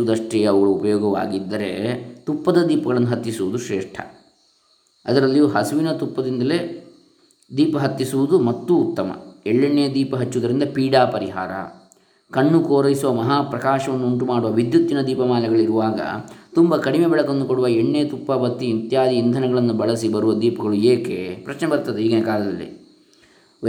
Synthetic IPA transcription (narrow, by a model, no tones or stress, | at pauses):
ud̪ɐʂʈɛɐɐʋɐɡɐɭuupɐjɔːɡɐʋa̰ːɡid̪ːɐɾḛt̪upːɐd̪ɐd̪iːpɐɡɐɭɐnːuɦɐt̪ːisuʋud̪uʃɾɛːʂʈʰɐ̰ | ɐd̪ɐɾɐlːijuːɦɐsuʋinɐt̪upːɐd̪ind̪ɐle̞ | d̪iːpɐɦɐt̪ːisuʋud̪umɐt̪ːuːt̪ːɐmɐ̰ɛɭːeɳːejɐd̪iːpɐɦɐt͡ʃːud̪ɐɾind̪ɐpiːɽaːpɐɾiɦa̰ːɾɐ̰ | kɐɳːukoːɾɐjisuʋɐmɐɦaːpɾɐkaːʃɐʋɐnːuːɳʈumaːɽuʋɐʋid̪jut̪ːinɐd̪iːpɐmaːlɐɡɐɭiɾuʋaːɡɐ̰t̪umbɐkɐɽimebɛɭɐkond̪ukoɽuʋɐeɳːejɐt̪upːɐbɐt̪ːiint̪jaːd̪iːnd̪ʱɐnɐɡɐɭɐnːubɐɭɐs̬ibɐɾuʋɐd̪iːpɐɡɐɭueːkepɾɐt͡ʃnɛbɐɾt̪ɐd̪eiːɡɐnekaːlɐd̪ɐlːḭ